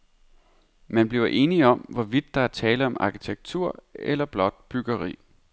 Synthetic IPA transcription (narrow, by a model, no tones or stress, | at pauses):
mænb̥liʊɐʔe̝ːniɒ̽mʋɒʋid̥ːɑ̈æɐt͡sʰɛːləɒ̽mɑ̈kʰit͡sʰeɡ̥̚t͡sʰuɐ̰elɐb̥lɒ̽d̥̚b̥yɡ̥ɐʁḭː